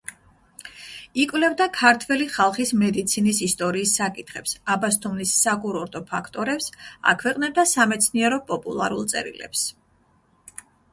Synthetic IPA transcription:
ikʼwvlɛvd̪akʰaɾt̪ʰwɛliχalˠχismɛd̪it̪sʰinisist̪ʼɔɾiːsːakʼit̪ʰχɛpsabast̪ʰʼumlisːakʼuɾɔɾt̪ʼɔpʰakʰt̪ʼɔɾɛpsa̰kʰwɛqʼnɛb̚d̪asamɛt̪sʰniɛɾɔpʼɔpʼṵlˠa̰ɾulˠt̪sʼɛ̰ɾḭlɛ̰ps

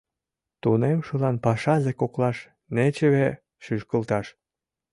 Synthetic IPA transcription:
t̪unemʃə̆lɑnpɑʃɑzekoklɑʃ | net͡ɕeβe | ʃyʃkəlt̪ɑʃ

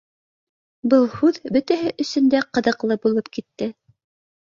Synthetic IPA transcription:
bɤlˠhʉðbɵt̪æɦɘʔɵ̆sɵ̆nd̪æqɤ̆ðɤ̆qlˠɤbulˠɤpkit̪ːɘ

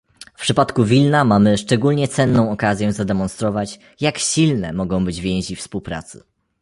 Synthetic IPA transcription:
fpʂɘpat̪kuvʲilnamamɘʂt͡ʂɛɡulɲɛt̪sɛnːɔ̃w̃ɔkazʲjɛzad̪ɛmɔnst̪ɾɔvat͡ɕ | jakɕilnɛ̰mɔɡɔ̃w̃bɘd͡ʑvʲjɛ̃ʑifspuwpɾa̰t̪sɘ̥̰

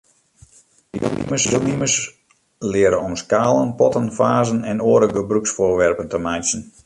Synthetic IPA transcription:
dḭḭməsdəlˠniməs | lɪəɾənɔmskaːlˠənpɔtənfaːzənɛnoːɾəɡəbryksfʊːrʋɛrpəntəmajsən

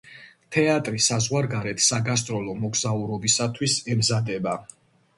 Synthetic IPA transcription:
t̪ʰɛat̪ʼɾisazʁwaɾɡaɾɛt̪ʰsaɡas̬t̪ʼɾɔlˠɔmɔɡz̥auɾɔbisat̪ʰwisɛmzad̪ɛba

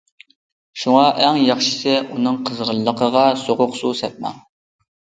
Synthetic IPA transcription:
ʃuŋɑʔæŋjɑχʃi̥sɛʔunɨŋqʰəzʁəlːəqʰəʁɑsoʁʊqsusɛp̪̚mɑ̰

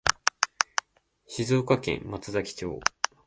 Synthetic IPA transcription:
ɕizoːkakẽ̞̰mmat͡sɨzakʲi̥t͡ɕo̰ː

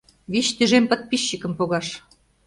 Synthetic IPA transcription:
βit͡ɕt̪yʒempə̆t̪̚piɕːəkə̆mpoɣɑʃ

